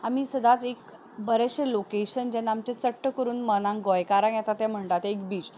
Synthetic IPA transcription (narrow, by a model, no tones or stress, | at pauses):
am̤isəd̪ʱat͡sek | bəɾeɕelokeɕənd͡ʑɛnːamt͡ɕet͡səʈːəkəɾuːnmənãŋɡɔjkaɾəɳjɛt̪at̪jɛm̤əɳʈ̪at̪ek̚biːt͡s